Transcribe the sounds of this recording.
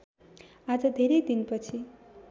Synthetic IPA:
ad͡zʌd̪ʱeɾʌjd̪inpʌt͡sʰi

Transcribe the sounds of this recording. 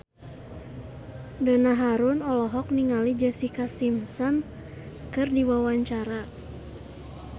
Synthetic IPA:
dɔnaɦaɾʊnɔlɔɦɔk̚niŋalid͡ʒɛsikasimsɔn | kɨrdiwawaɲt͡ʃaɾa

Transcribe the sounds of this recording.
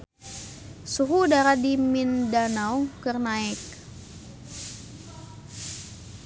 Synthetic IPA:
suɦudaɾadimindanawkərnaɛk̚

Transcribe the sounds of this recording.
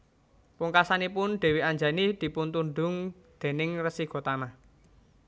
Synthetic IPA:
puŋkasanipʊnɖ̪̥e̤wiaɲd͡ʒa̤nid̪̥i̤punt̪und̪ʊŋ | d̪̥e̤nɪŋrəsiɡ̥ɔ̤t̪ama

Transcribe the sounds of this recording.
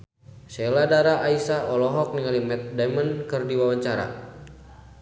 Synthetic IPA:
sɛladaɾaʔaisaʔɔlɔɦɔk̚niŋalimɛt̪̚damənkɨrdiwawaɲt͡ʃaɾa̰

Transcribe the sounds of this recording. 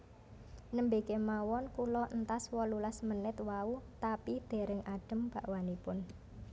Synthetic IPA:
nəmbekemawɔnkulɔʔənt̪aswɔlulasmənɪt̪waut̪apid̪̥e̤ɾəŋaɖ̥ə̤mb̥a̤ʔwanipʊn

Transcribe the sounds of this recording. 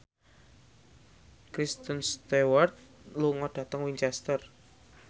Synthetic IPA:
kɾist̪ənst̪ewart̪̚luŋɔɖ̥ä̤t̪əŋwiɲt͡ʃɛst̪ər

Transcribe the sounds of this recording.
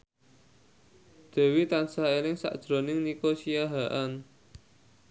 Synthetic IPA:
d̪̥e̤wit̪ansaelɪŋsa̰ʔd̥ʒ̥ɾonɪŋnikosiaɦaʔan

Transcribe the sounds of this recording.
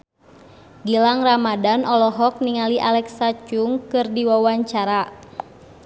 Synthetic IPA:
ɡilaŋramadanʔɔlɔɦɔk̚niŋaliʔalɛksat͡ʃuŋkɨrdiwawaɲt͡ʃaɾa

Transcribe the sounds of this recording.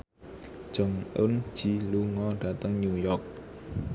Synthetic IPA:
d͡ʒəŋʔʊ̰nd͡ʒiluŋɔɖat̪aŋɲujɔk̚

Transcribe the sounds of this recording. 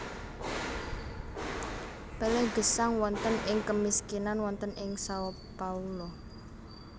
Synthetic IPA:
pelɛɡ̥ə̤saŋwɔnt̪ənɪŋkəmiskinanwɔnt̪ənʔɪŋsawɔ | paulɔ

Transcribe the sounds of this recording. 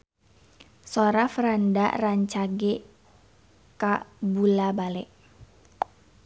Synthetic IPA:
soɾafɾanda̰raɲt͡ʃaɡe | kabulabalɛʔ

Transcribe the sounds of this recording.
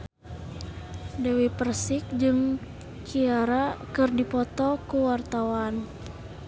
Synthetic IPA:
dɛwipərsik̚d͡ʒɨŋ | kʰiaɾakɨrdipɔt̪ɔkuwart̪awan

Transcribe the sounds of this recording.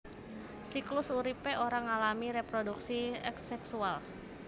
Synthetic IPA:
siklʊsuɾipeʔoɾaŋalamiɾepɾoduksiɛksɛksual

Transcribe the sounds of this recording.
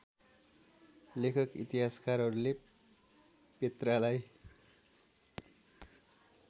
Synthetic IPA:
lekʰʌkḭt̪iɦaskaɾɦʌɾule | pet̪ralaj

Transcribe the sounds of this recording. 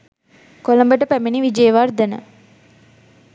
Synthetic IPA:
koləmbəʈəpæmeniʋid͡ʒeːʋard̪ənə̰

